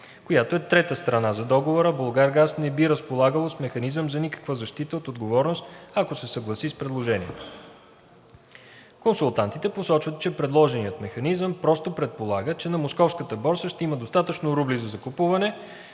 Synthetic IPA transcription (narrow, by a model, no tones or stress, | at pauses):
kojat̪oɛt̪ɾɛt̪əst̪ɾɐnazɐd̪ɔɡovoɾəbolˠɡaɾɡasnɛbiɾəspolˠaɡəlˠosmɛxɐnizəmzɐnikə̥kvəzɐʃt̪it̪əot̪od̪ɡovɔɾnost̪ɐkosɛsɐɡlˠɐsispɾɛd̪lˠoʒɛniɛt̪o̥ | konsulˠt̪ant̪it̪ɛposɔt͡ʃvət̪t͡ʃɛpɾɛd̪lˠɔʒɛnijət̪mɛxɐnizəmpɾɔst̪opɾɛt̪̚polˠaɡət͡ʃɛnɐmoskɔfskət̪əbɔɾsəʃt̪ɛiməd̪ost̪at̪ət͡ʃnoɾublizɐzɐkopuvɐnɛ